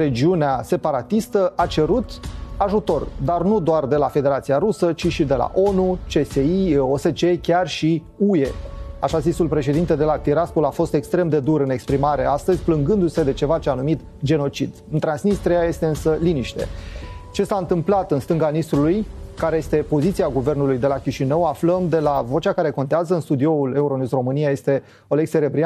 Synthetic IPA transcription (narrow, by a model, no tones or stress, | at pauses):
ɾed͡ʒiunease̞paɾat̪ist̪əʔat͡ʃe̞ɾut̪aʒut̪o̞rd̪arnud̪oard̪e̞lafe̞d̪e̞ɾat̪siaɾusət͡ʃiʃid̪e̞la̰ʔo̞nut͡ʃe̞seio̞se̞t͡ʃe̞kʲarʃi | uje̞aʃazisulpɾe̞ʃ̬e̞d̪int̪e̞d̪e̞lat̪iɾaspolafo̞st̪e̞kst̪ɾe̞md̪e̞d̪uɾɨne̞kspɾimaɾe̞ast̪əzʲplɨŋɡɨnd̪use̞d̪e̞t͡ʃe̞vat͡ʃeanumit̪ | d͡ʒe̞no̞t͡ʃid̪ɨnt̪ɾansnist̪ɾiaje̞st̪e̞ɨnsəliniʃt̪e̞̰t͡ʃe̞saɨnt̪ɨmplat̪ɨnst̪ɨŋɡanist̪ɾulujkaɾe̞je̞st̪e̞po̞zit̪siaɡuve̞rnulujd̪e̞lakʲiʃinəwafləmd̪e̞lavo̞t͡ʃakaɾe̞ko̞nt̪eazəɨnst̪ud̪io̞ule̞uɾo̞nusro̞mɨnijaje̞st̪e̞ | oleɡseɾe̞bɾia